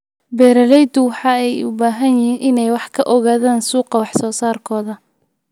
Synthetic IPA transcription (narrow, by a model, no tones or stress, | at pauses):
bɛːɾɐlɛjd̪ʊwɑħɑːɛjʊ̰baːɦɐnjɪhiːnʔɪnɛjwɑħkʰɐʔɔɣaːðaːnsuːqɑwɑħsɔːsaːrkʰɔːðɐ